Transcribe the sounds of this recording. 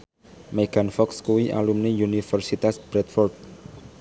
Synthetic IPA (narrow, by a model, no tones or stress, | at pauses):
meɡ̥anfɔkskuwiʔa̰lumniunifərsit̪asb̥ɾɛt̪fɔrt̪̚